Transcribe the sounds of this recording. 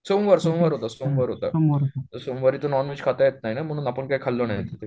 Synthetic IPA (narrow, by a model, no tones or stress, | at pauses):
somʋəɾsomʋəɾɦot̪asomʋəɾɦot̪a̰omʋəɾɦt̪əsomʋəɾiːt̪onɔnʋit͡ɕkʰat̪ajet̪̚nainam̤əɽ̃uːnapəɳkaikʰalːonajet̪et̪e